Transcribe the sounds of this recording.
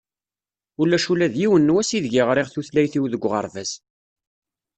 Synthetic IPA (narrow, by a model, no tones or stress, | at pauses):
ulːæʃulæðjiwənːwæsiðʝiʁɾˤɪʁθuθlæjθiwðəɡʷːʁə̰ɾˤvæs